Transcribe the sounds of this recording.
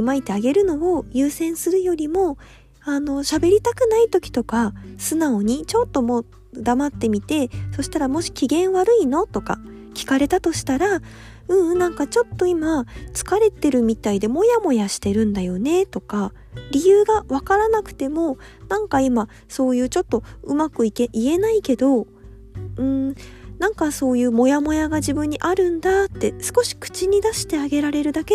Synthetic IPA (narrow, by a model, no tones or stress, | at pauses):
mait̪eaɡe̞ɾɯ̟no̞ːjɯːsẽ̞ɰ̃sɨɾɯ̟jo̞ɾʲimo̞ | ano̞ɕabe̞ɾʲit̪akɯ̟nait̪o̞kʲi̥t̪o̞kasɨnao̞ɲ̟it͡ɕo̞t̪ːo̞mo̞ː | d̪amat̪ːe̞mʲit̪e̞so̞ɕi̥t̪aɾamo̞ɕi̥kʲiɡẽ̞ɰ̃βaɾɯ̟ino̞t̪o̞ka̰ | kʲi̥kaɾe̞t̪at̪o̞ɕi̥t̪aɾa | ɯ̟̃ɰnãŋkat͡ɕo̞t̪ːo̞imat͡sɨ̥kaɾe̞t̪e̞ɾɯ̟mʲit̪aid̪e̞mo̞jamo̞jaɕi̥t̪e̞ɾɯ̟̃nd̪ajo̞ne̞t̪o̞ka | ɾʲijɯːɡaβakaɾanakɯ̥t̪e̞mo̞ | nãŋkaima | so̞ːjɯ̟ːt͡ɕo̞t̪ːo̞ɯ̟makɯ̟ikeʔie̞naike̞d̪o̞ | ɯ̟̃ɴnãŋkaso̞ːjɯ̟ːmo̞jamo̞jaɡaʑibɯ̟̃ɲ̟ːiʔaɾɯ̟̃nd̪at̪ːe̞sɨ̥ko̞ɕi̥kɯ̟̥t͡ɕiɲ̟id̪aɕi̥t̪e̞aɡe̞ɾaɾe̞ɾɯ̟d̪ake